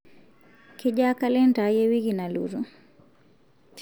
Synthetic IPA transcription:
kiʄakalɛntajɛwikinalṵɾu

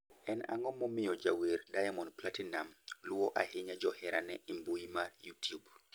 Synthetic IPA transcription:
ʔɛna̰ŋɔmɔmijɔd͡ʒawiɾdajamɔnplatinamluwɔʔahiɲad͡ʒɔhɛɾanɛimbujimaɾjutjub

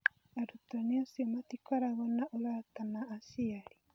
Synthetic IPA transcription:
aɾut̪aniasiɔmat̪ikaɾaɣɔnaʔoɾat̪anaːsiaɾi

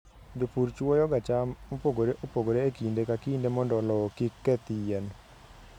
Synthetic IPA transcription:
d͡ʒopuɾt͡ʃuɔjɔɡat͡ʃammopoɡoɾeʔopoɡoɾeːkindekakindemɔndɔlɔkikːɛt̪ijɛn

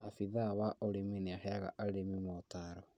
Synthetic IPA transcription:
afiðawaʔoɾemeneahɛaɣa̰ʔaɾemimɔtaɾɔ

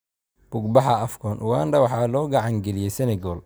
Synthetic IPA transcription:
b̥ʊɡ̚bɑħɑɐfkʰɔːnʔʊwaːnd̪ɐwɑħɑːlɔːɡɑʕɑŋɡɛlɪjɛjsɛnɛɡɔːl

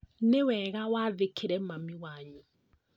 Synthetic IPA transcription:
newɛɣawaðekʰeɾɛmamiwaɲu

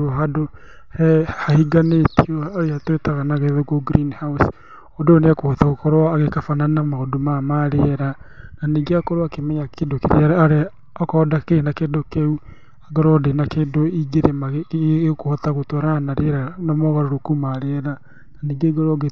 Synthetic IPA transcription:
ɦado | hɛhahiɡanetʰiɔaɾeatwetaɣanaɣeðoɣoɡɾiːnhaws | odoːneakohɔtaɣokɔɾwaaɣekafananamaodomamaɾeɾananiːɡeakɔɾoakemɛɲakʰedokeɾḛaɾaɾe | ɔkɔdakeenakedokeu | aɡɔɾɔdenakedoiɡeɾemaɣkohɔtaɣotɔɾanaɾeɾanamɔɣaɾoɾokumaɾeɾa | naniːɡeɡɔɾɔɡe

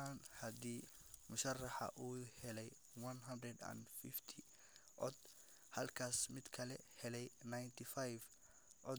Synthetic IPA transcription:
anhɐd̪iː | mʊʃɐrːɑħɐ̰ʔuːhɛlɛj | wɐnɦɐnd̪ɾɛd̪a̰nfɪft̪ʰi | ʔɔd̪ | hɐlkʰaːsmɪd̪kʰɐlɛhɛlɛjnajnt̪ʰifajf | ʔɔ

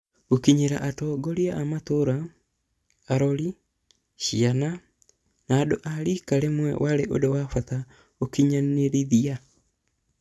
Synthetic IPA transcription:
okiɲeɾaʔatɔɡɔɾiaʔamat̪oɾa | aɾɔɾi | ʃiana | naːdoʔaɾikaɾemwɛ̰wʔaɾeʔodowafat̪a | okiɲaneɾiðia

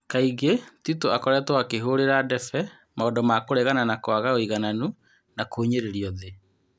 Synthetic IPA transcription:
kaiɣetitoakɔɾɛtwakeɦoːɾeɾadɛfɛ | maɔdɔmakoɾɛɣananakwaɣaoiɣananu | nakoːɲeɾeɾiɔðe

